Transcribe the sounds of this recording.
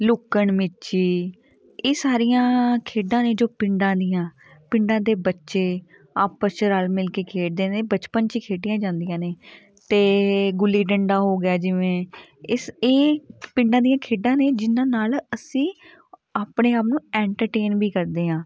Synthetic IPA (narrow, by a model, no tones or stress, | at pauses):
lʊkəɳmɪt͡ʃiː | eːsaːɾijãːkʰeːɖãːneːd͡ʒoːpɪɳɖãːd̪ijãː | pɪɳɖãːd̪eːbətːʃeː | aːpət͡ʃəɾaːlmɪlkeːkʰeːʈ̚d̪eːneːbət͡ʃpənt͡ʃiːkʰeːɖɪjãːd͡ʒãːnd̪ijãːneː | t̪eːɡʊlːiːɖəɳɖaːɦoːɡɪaːd͡ʒɪʋẽː | eːpɪ̃ɳɖãːd̪ijãːkʰeːɖãːneːd͡ʒɪnãːnaːləsĩː | aːpɳeːaːpnũːɛːɳʈəɾʈeːnbiːkəɾd̪eːɦãː